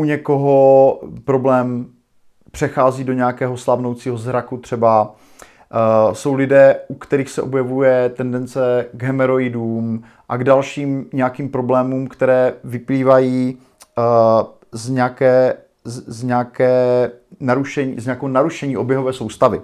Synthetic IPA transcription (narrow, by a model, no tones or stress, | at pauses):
uɲɛkoɦopɾo̞blɛːm | pr̥ɛxaːziːdo̞ɲɛakɛːɦo̞slavno̞wt͡siːɦo̞zɦɾakut̪r̥ɛba | so̞wlɪdɛːʔukt̪ɛɾiːxsɛ̰ʔo̞bjɛvujɛt̪ɛndɛnt͡sɛɡɦɛmɛɾoɪdum | ʔaɡdalʃiːmɲɛakiːmpɾo̞blɛːmumkt̪ɛɾɛːvɪpliːvajiː | zɲɛakɛː | zzɲɛakɛːnaɾuʃɛɲ̰ːzɲɛakɛɦonaɾuʃɛɲiːʔo̞bjɛɦovɛːsowst̪avɪ